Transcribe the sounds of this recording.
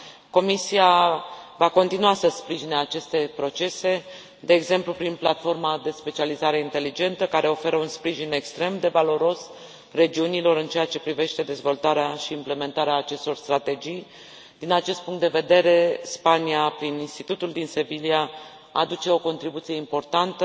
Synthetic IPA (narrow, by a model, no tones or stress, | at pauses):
ko̞misiavako̞nt̪inuasəspɾiʒineat͡ʃe̞st̪e̞pɾo̞t͡ʃe̞se̞ | d̪e̞ːɡze̞mplupɾinplat̪fo̞rmad̪e̞spe̞t͡ʃializaɾe̞int̪e̞lid͡ʒe̞nt̪əkaɾe̞o̞fe̞ɾəunspɾiʒine̞kst̪ɾe̞md̪e̞valo̞ɾo̞s | re̞d͡ʒiunilo̞ɾɨnt͡ʃejat͡ʃe̞pɾive̞ʃt̪e̞d̪e̞zvo̞lt̪aɾeaʃiːmple̞me̞nt̪aɾeaːt͡ʃe̞st̪o̞rst̪ɾat̪e̞d͡ʒij | d̪̥inat͡ʃe̞st̪̚puŋkt̪d̪e̞ve̞d̪e̞ɾe̞spaniapɾininst̪it̪ut̪uld̪inse̞vilia | a̰d̪ut͡ʃe̞o̞ko̞nt̪ɾibut̪sije̞impo̞rt̪ant̪ə